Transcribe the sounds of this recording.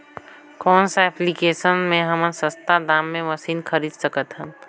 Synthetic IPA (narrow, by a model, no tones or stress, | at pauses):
kɔːnsaɛplikeːsənmẽɦəmənsəst̪ad̪ãːmːẽʋəsiːnkʰəɾiːd̪səkət̪ɦɛ̃